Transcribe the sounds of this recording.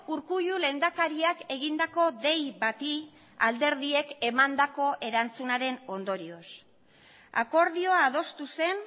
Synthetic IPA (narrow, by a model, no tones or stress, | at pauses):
uɾkuʎule̞nd̪akaɾiake̞ɣind̪ako̞ðe̞jβat̪i | a̰ld̪e̞ɾðie̞ke̞mand̪ako̞ʔe̞ɾant͡sunaɾe̞no̞nd̪o̞ɾio̞s | a̰ko̞ɾðio̞aːðo̞st̪use̞n